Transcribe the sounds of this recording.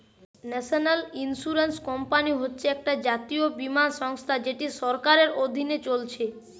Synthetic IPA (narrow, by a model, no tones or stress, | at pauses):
nɛʃonalinsuɾenskɔmpaniɦotːɕʰeɛk̚ʈad͡ʑat̪iobimanʃɔŋst̪ʰad͡ʑeʈiʃɔɾkaɾeɾod̪ʱinet͡ɕolt͡ɕʰe